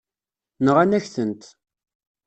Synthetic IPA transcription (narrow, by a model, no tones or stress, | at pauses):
nəʁanæçθənt̪